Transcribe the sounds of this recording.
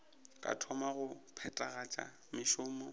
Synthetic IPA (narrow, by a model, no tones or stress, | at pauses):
kʼa̰tʰɔmaɣʊpʰɛtʼaɣat͡ʃʼa̰ | mɪʃʊːmɔ